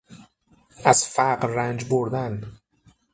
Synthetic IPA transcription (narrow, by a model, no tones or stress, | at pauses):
æz̥fæqɾːænd͡ʒboɾd̪æn